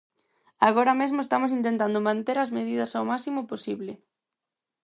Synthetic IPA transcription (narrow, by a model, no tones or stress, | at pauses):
aɣoɾɐmezmoest̪amʊsint̪ent̪and̪omãnt̪eɾɐzmeð̞iðɐsawmasimʊposiβlɪ